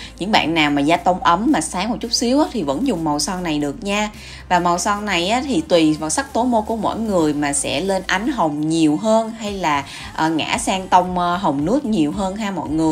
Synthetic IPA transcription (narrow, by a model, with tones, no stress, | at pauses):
ɲɨ̰˧˥ŋɓa̰ː˧˨nːaː˨˩wmaː˨˩zaː˧t̪ə˧wŋ͡mʔə˨˦mːaː˨˩saː˨˦ŋmo˨˩t̚t͡ɕʊ˦˥k͡p̚si˨˦əwʔaː˨˦t̪ʰi˨˩və̰˧˥nzʊ˨˩ŋ͡mmə˨˩wsɔ˧nna˨˩jɗɨ˨˩ək̚ɲaː˧ | vaː˨˩mə˨˩wsɔ˧nna˨˩jʔaː˨˦t̪ʰi˨˩t̪wi˨˩vaː˨˩wsa˦˥k̚t̪o˨˦mo˧ku˧˩əmo̰˧˥˨jŋɨ˨˩əjmaː˨˩sɛ̰˧˥le˧nʔa˨˦jŋ̟ɦə˨˩wŋ͡mɲi˨˩əwɦəː˧nɦa˧jlaː˨˩ | ʔːŋa̰ː˧˥saː˧ŋt̪ə˧wŋ͡mɦə˨˩wŋ͡mnɨ˦˥ət̚ɲi˨˩əwɦəː˧nɦaː˧mɔ̰˧˨jŋɨ˨˩əj